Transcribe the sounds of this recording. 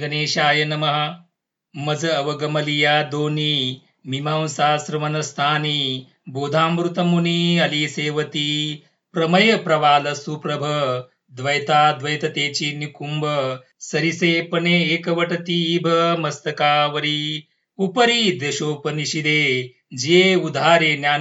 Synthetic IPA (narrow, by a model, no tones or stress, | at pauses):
ɡɐneːʃaːjɐnɐmɐɦɐ | mɐd͡zɐːʋɐɡɐmɐlijaːd̪oːniː | mimaːwsaːsɾɐmɐnɐst̪ʰaːniː | boːd̪ʱaːmɾut̪ɐmuniːɐliːseːʋɐt̪iː | pɾɐmɐjɐpɾɐʋaːlɐsupɾɐbʱɐ | d̪ʋɐjt̪aːd̪ʋɐjt̪ɐt̪eːt͡ʃiːnikumbɐ | sɐɾiseːpɐneːeːkɐʋɐʈɐt̪iːbʱɐmɐst̪ɐkaːʋɐɾiː | upɐɾiːd̪eʃoːpɐniʃid̪eː | d͡ʒeːud̪ʱaːɾeːnjaː